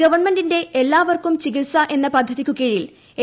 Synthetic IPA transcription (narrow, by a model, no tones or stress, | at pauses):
ɐʋɐrɳmendinde̞elːaːʋɐrkumt͡ɕikilsɐʔe̞nːɐpɐd̪ʱːɐðikʲːukiɻijil | e